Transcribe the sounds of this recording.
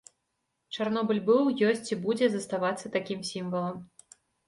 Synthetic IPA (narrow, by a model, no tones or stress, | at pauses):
t͡ʂarnɔbɨlʲbɨwjɔsʲt͡sʲibud͡zʲɛzɐst̪avat̪sːɐt̪akʲimsʲimvɐlˠɐm